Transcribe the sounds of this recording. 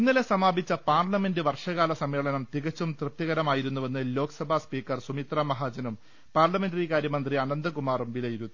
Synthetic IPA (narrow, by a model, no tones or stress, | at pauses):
inːilesɐmaːbʱit͡ɕːɐpaːrlɐme̞ndɨʋɐrʂɐɣaːlɐsɐmːeːɭɐnɐmt̪iɣɐt͡ɕːumt̪rɨp̚t̪jɐɣɐɾɐmaːjiɾunːuʋɐnːɨlo̞ːkɐsɐbʱaspiːkːɐrsumit̪raːmɐɦaːd͡ʑɐnum | paːrlɐme̞ndrikaːɾjɐmɐnd̪riɐnɐnd̪ɨkumaːrumʋilɐjiɾut̪ːi